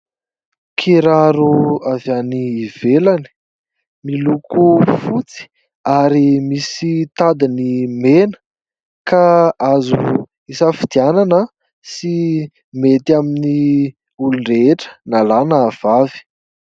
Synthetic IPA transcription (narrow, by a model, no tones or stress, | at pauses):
kʰiɾaɾuavjaniːvelani̥ | milukufut͡si̥ | aɾimisit̪ad̪inimenə̥ | kaazu | isafid̪iananə | si | met̪iamini | uluɳɖ͡ʐeeʈ͡ʂə̥nalanəːv̥avi̥